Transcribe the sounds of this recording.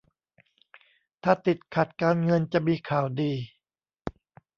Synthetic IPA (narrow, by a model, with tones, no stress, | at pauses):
t̪ʰaː˧˩t̪i˨˩t̪̚kʰa˨˩t̪̚kaː˧nŋɤ˧nt͡ɕa˨˩miː˧kʰaː˨˩˦wdiː˧